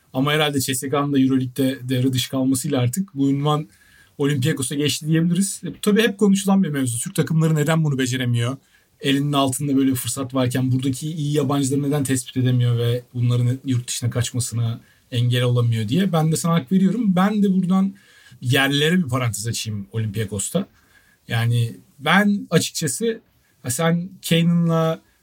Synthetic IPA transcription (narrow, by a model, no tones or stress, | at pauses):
amaɦeɾalʲd̪ɛt͡ʃʰɛsekanɯnd̪ajyɾo̞lʲic̚t̪ɛd̪ejaɾɯd̪ɯʃkʰalˠmasɯjlˠaaɾt̪ʰɯkbuynman | o̞lʲiympijako̞saɟɛt͡ʃlʲid̪ijebilʲiɾiz̥t̪ʰabiːhɛp̚kʰo̞nuʃulˠanbimevzut̪ʰyɾc̚t̪ʰakʰɯmlˠaɾɯne̞d̪ænbunube̞d͡ʒe̞ɾemijo̞ | e̞lʲininalˠt̪ʰɯnd̪abø̞jlʲebifɯɾsat̪vaɾcʰænbuɾd̪acʰiːjijaband͡ʒlˠaɾɯned̪ænt̪ʰɛspi̥t̪ʰe̞d̪emijo̞vɛbunlˠaɾɯnjuɾt̪̚d̪ɯ̥ʃɯnakʰat͡ʃmasɯna | ɛɲɟelʲo̞lˠamɯjo̞d̪ijɛbænd̪ɛsanaakve̞ɾijo̞ɾumbænd̪ɛbuɾd̪an | jæɾlʲe̞ɾɛbipʰaɾant̪ʰezat͡ʃʰijimo̞lʲimpijakʰo̞st̪ʰa | jaːnɪ | bænat͡ʃʰɯ̥k̚t͡ʃʰasɯ | asæncʰejnɯnlˠa